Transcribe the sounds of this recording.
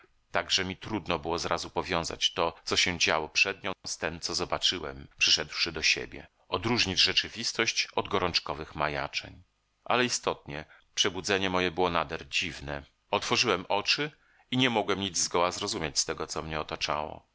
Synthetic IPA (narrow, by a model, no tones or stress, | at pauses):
t̪aɡʐɛmʲit̪ɾud̪nɔbɘwɔzɾazupɔvʲjɔ̃w̃za̰t͡ɕt̪ɔt̪sɔɕɛd͡ʑawɔpʂɛd̪ɲɔ̃st̪ɛmt̪sɔzɔbat͡ʂɘwɛ̰mpʂɘʂɛd̪wʂɘd̪ɔɕḛbʲjɛ̰ | ɔd̪ɾuʐɲid͡ʑʐɛt͡ʂɘvʲist̪ɔɕt͡ɕɔd̪ɡɔɾɔnt͡ʂkɔvɘxmaja̰t͡ʂɛ̰ɲ | ʔa̰lɛist̪ɔt̪̚ɲɛ | pʂɛbud̪zɛɲɛmɔjɛbɘwɔnad̪ɛɾd͡ʑivnɛ | ɔt̪fɔʐɨwɛmʔɔt͡ʂɘ | iɲɛmɔɡwɛmɲid̪zɡɔwazɾɔzumʲjat͡ɕst̪ɛɡɔt̪sɔmɲɛɔt̪at͡ʂa̰wɔ̰